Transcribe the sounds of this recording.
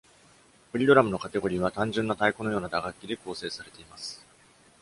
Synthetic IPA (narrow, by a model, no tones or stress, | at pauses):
ɸo̟ɾʲid̪o̞ɾamɯ̟nokat̪e̞ɡo̞ɾʲiβ̞at̪ãɲ̟d͡ʑɨ̃nːat̪aikono̞jo̞ːnad̪aɡakʲːid̪e̞ko̞ːse̞ːsaɾe̞t̪e̞imasɨ̥